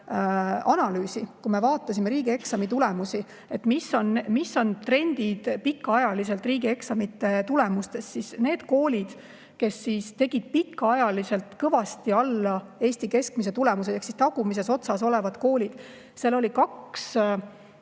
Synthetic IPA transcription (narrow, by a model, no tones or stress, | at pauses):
ɑnɑlyːsikume̞vɑːt̪ːˑɑsʲimeɾiːɡ̥ie̞ksɑmit̪ule̞musi | e̞t̪misːo̞nmisːo̞nt̪re̞nʲd̪id̪̥pikːɑɑjɑlis̬e̞lt̪ˑriːɡ̥ie̞ksɑmit̪ːˑe̞t̪ule̞must̪e̞ssisne̞ːd̪ko̞ːlʲid̪̥ | ke̞sːiːst̪e̞ɡ̥id̪̥̚pikːɑɑjɑlise̞lt̪kɤvɑst̪iɑlːɑe̞ːsʲt̪ike̞skmis̬e̞t̪ule̞mus̬ejɑksist̪ɑɡ̥umis̬e̞so̞t̪sɑso̞le̞vɑd̪̥ko̞ːlʲid̪̥ | selːo̞lʲikɑks